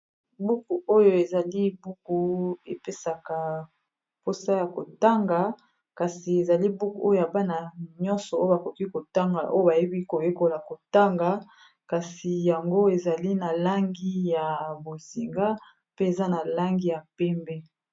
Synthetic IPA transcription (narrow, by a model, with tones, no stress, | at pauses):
bu˦ku˨o˦jo˦e˨za˨li˦bu˦ku˨e˨pe˦sa˨ka˨ | po˦sa˦ja˨ko˨ta˦ŋɡa˨ | ka˨si˨e˨za˨li˦bu˦ku˨o˦jo˦˨ja˨ba˦na˨ɲɔ̃˦nsɔ˨o˦o˦ba˨ko˨ki˦ko˨ta˦ŋɡa˨ʔo˦jo˦ba˨je˦bi˦ko˨jo˦ko˨la˨ko˨ta˦ŋɡa˨ | ka˨si˨ja˨ŋɡo˦e˨za˨li˦na˨la˦ŋɡi˦ja˨bo˨zi˨ŋɡa˦ | pe˦e˨za˦na˨la˦ŋɡi˦ja˨pɛ˦mbɛ˦